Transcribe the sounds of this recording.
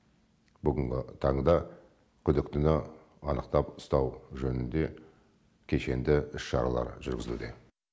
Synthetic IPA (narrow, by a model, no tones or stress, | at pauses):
bʏɡʲɪŋɡʲɪt̪ʰɑɴd̪ɑ | kʲʰʏd̪ɪkt̪ɪnɪ | ɑnəqt̪ɑpʊ̥st̪ɑwʒɵnɪnd̪e̞ | kʲʰe̞ʃe̞nd̪ɪʏsʃɑ̰ɾɑ̰lˠɑ̰ɾʒʏɾɡʲɪzɪlud̪e̞